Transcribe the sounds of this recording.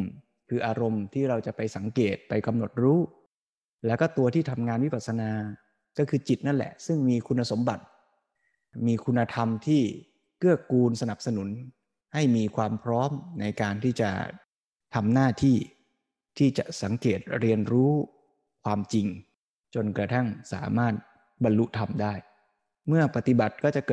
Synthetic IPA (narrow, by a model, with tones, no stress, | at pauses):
m | kʰɯː˧ʔaː˧ɾo˧mt̪ʰiː˥˩ɾa˧wt͡ɕa˨˩pa˧jsa˩˦ŋkeː˨˩t̪̚pa˧jka˧mno˨˩t̪̚ɾuː˦˥ | lɛː˦˥wkɔː˥˩t̪u˧ɐt̪ʰiː˥˩t̪ʰa˧mŋaː˧nwi˦˥pa˨˩t̪̚sa˧naː˧ | kɔː˥˩kʰɯː˧t͡ɕi˨˩t̪̚na˥˩nlɛ̰˨˩sɯ˥˩ŋmiː˧kʰu˧nːa˧so˩˦mba˨˩t̪̚ | miː˧kʰu˧nːa˧t̪ʰa˧mt̪ʰiː˥˩ | kɯ˥˩əkuː˧nsa˧na˨˩p̚sa˧nu˩˦n | ha˥˩jmiː˧kʰwaː˧mpʰɾɔː˦˥mna˧jkaː˧nt̪ʰiː˥˩t͡ɕa̰˨˩ | t̪ʰa˧mnaː˥˩t̪ʰiː˥˩ | t̪ʰiː˥˩t͡ɕa˨˩ʔsa˩˦ŋkeː˨˩t̪̚ɾi˧ənɾuː˦˥ | kʰwaː˧mt͡ɕi˧ŋ | t͡ɕo˧nkɾa˧t̪ʰa˥˩ŋsa̰ː˩˦maː˥˩t̪̚ | ba˧nlu˦˥t̪ʰa˧mdaː˥˩j | mɯ˥˩ɐpa˨˩t̪i˨˩ba˨˩t̪̚kɔː˥˩t͡ɕa˨˩kɤː˨˩